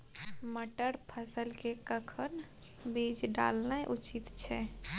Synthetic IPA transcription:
məʈəɾpʰəsəlkekəkʰən | bid͡ʒɖa̰lnajʔut͡ʃit̪t͡ʃʰɛ

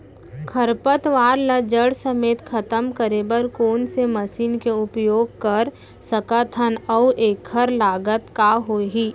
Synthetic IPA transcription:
kʰəɾpət̪ʋaːɾləd͡ʒəɽsəmeːt̪kʰɐt̪əmkəɾeːbəɾkoːnseməsiːnkeʊpjoːɡkɐɾ | səkat̪ʰənɔːʔeːkʰːəɾlaːɡət̪kaɦoːɦiː

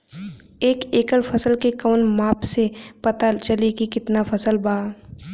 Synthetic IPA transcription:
eːkeːkəɽfʰɐsəlkekəːnmaːpsepɐt̪at͡ʃɐlikikɪt̪nafɐsəlbaː

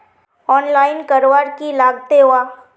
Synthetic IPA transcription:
ɔːnlaːɪnkɐɾʋaːɾkilaːɡt̪eɦʊaː

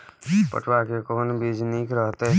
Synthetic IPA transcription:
pə̰ʈʰwakekɔːnbeːd͡ʒnikɾəɦt̪ɦ

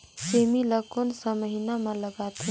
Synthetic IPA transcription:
semiləkonsəməɦinamə̃ləɡat̪e

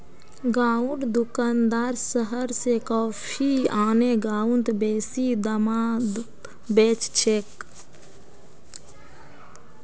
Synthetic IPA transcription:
ɡaːuʈd̪ukand̪aːɾsəɦəɾsekɔːpʰiaːneɡaːunt̪beːsid̪əmad̪ | beːt͡ʃt͡ʃʰeːk

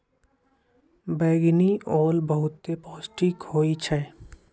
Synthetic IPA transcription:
bɛːɡniɔːlbəɦʊt̪ːepɔːsʈikhoːit͡ʃʰɛː

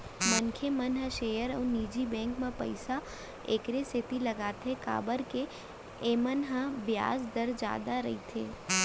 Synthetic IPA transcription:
mənkʰemənɦəʃeːjəɾəːniːd͡ʒibɛ̃ːŋkmãpə̰ɪsa | eːkɾeset̪ilɐɡaːt̪ʰeka̰ːbəɾke | eːmənɦəbja̰ːsd̪əɾd͡ʒa̰ːd̪aɾɐɦit̪ʰeː

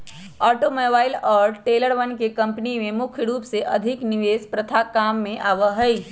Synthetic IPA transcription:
ɔːʈomoːbaːɪlɔːɾʈeːləɾʋənkekɐ̃mpnimẽmʊkʰjəɾuːpseʔɐd̪ʱɪknɪʋeːspɾɐt̪ʰakaːmːẽʔaːʋəɦɐi

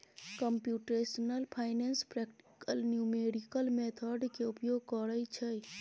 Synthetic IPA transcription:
kəmpjuʈesənəlpʰaɪnenspɾekʈi̥kəlnjumeɖikəlmet̪ʰəɖkeupjoɡ̚kəɾəjt͡ʃʰə

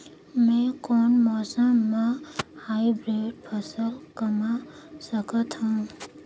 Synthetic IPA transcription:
mɛ̃ːkɔːnmɔːsəmːãhaːibɾeːɖpʰɐsəlkəmasəkət̪ɦũː

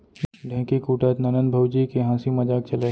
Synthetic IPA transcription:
ɖʱɛ̃ːkikuːʈaːt̪nɐnənbʱɐwd͡ʒikeɦãːsimɐd͡ʒaːk̚t͡ʃɐle

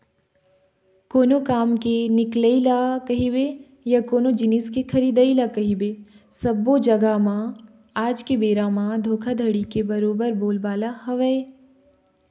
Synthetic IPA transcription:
koːnokaːmkenɪkləilakɐɦibe | jakoːnod͡ʒɪniskekʰɐɾiːd̪əilakɐɦibe | sɐbod͡ʒɐɡamã | aːd͡ʒkebeːɾamãd̪ʱoːkʰad̪ʱɐɽikebɐɾoːbəɾboːlbaːlahɐʋəe

